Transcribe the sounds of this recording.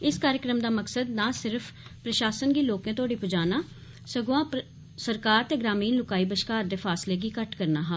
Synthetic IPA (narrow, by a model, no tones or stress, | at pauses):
ɪskaːɾjɪkɾəmd̪aːməksəd̪nãːsɪɾfʰpɾəʃaːsənɡiːloːkẽːt̪ʊaːɖiːpʊd͡ʒaːnaː | səɡoãː | səɾkaːɾt̪eːɡɾaːmiːnlʊkaːiːbəʃkaːɾd̪eːpʰaːsleːɡiːkəʈkəɾnaːɦaː